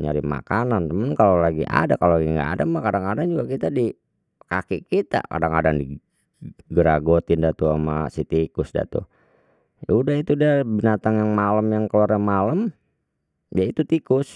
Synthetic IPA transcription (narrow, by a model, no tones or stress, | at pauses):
ɲa̰ɾima̰kanant̪əmənkalolaɡḭʔa̰dakaloaɡiŋɡa̰ːdamahkadaŋkadaŋd͡ʒuɡakit̪adi | kakiʔkit̪a̰ka̰daŋkadaŋdi | ɡəɾaɡot̪ɪndat̪ua̰ma̰sit̪ikʊsda̰t̪ṵ | j̰udaɦit̪udabinat̪aŋjaŋmaləmjaŋkəlaɾamaləm | jait̪ut̪ikʊs